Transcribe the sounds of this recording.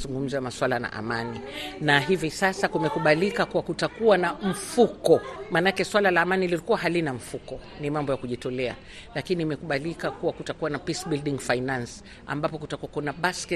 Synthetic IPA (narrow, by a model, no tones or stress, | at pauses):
zuŋɡum̩zaamaswalana̰ʔa̰maninaɦivisasakumɛkuɓalikakuwakutakuwanam̩fukɔmaːnaakɛswalalaːmanililikuwaɦalinam̩fukɔ | nimambɔjakuʄitɔlɛa̰ | lakiniːmɛkuɓalikakuwakutakuwanapisɓilɗiŋfainans | a̰mbapɔkutakuakunaɓaskɛ